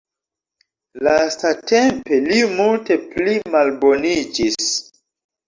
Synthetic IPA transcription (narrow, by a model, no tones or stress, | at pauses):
lastate̞mpe̞limulte̞plimalbo̞nid͡ʒis